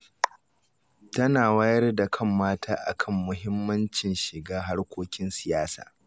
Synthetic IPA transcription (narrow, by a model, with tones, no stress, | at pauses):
tɐ˦naː˨wa˦jɐ˦rda˨kʰɐ˦˨mːaː˦tʰaː˦ʔa̰˨kʰɐ˦˨mːʊ˦ɦɪ˦mːɐ˦nt͡ʃɪ˨nʃɪ˨ɡaː˦ɦa˦rkʷoː˦kʲɪ˦nsɪ˨jaː˦sa̰ː˨